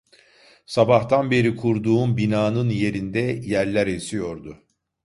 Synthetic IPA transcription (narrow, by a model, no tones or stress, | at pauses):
sabaht̪ʰanbe̞ɾikʰuɾd̪uːnbinaːnɯnje̞ɾind̪ɛjæɾlʲæɾesijo̞ɾd̪ʊ